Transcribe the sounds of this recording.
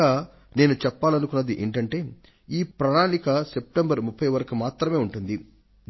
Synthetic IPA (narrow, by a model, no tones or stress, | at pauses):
aː | ne̞ːnut͡ʃɛpːaːlɐnukunːɐd̪iʔḛɳʈɐɳʈe̞ː | iːpɾɐnaːnikɐsep̚ʈembɐɾmupʰːɐjʋɐɾɐkumaːt̪ɾɐme̞ːuɳʈund̪i